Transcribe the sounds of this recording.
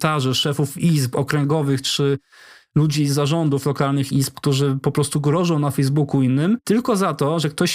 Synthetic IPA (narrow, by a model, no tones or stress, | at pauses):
t̪aʐɛʂɛfufispɔkɾɛŋɡɔvɘxt͡ʂɘ | lud͡ʑizaʐɔnd̪uflɔkalnɘxisp̚kt̪uʐɘpɔpɾɔst̪uɡɾɔʐɔ̃w̃nafɛjzbukuinːɘmt̪ɘlkɔzat̪ɔʐɛk̚t̪ɔɕ